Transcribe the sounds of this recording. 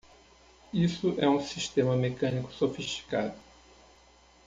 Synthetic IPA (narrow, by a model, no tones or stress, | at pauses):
isʊʔɛũsiʃt̪ẽmɐmekɐ̃nikʊ̥sofiʃt͡ʃi̥ka̰d̪ʊ